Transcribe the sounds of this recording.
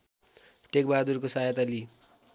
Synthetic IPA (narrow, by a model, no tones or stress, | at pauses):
ʈek̚bad̪urkosajat̪ʌli